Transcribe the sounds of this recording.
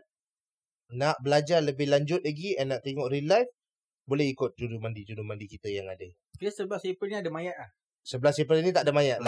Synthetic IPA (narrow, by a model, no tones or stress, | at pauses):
naʔbəlad͡ʒarləbɪhlaɲd͡ʒʊt̪̚laɡiɛnːaʔt̪eŋɔʔrilajf | bolɛhikʊt̪̚d͡ʒudumandid͡ʒudumãndikit̪əjaŋadə | kiəsəblasepəlniadamajaʔlah | səbəlasepəlinit̪aʔadamajaʔla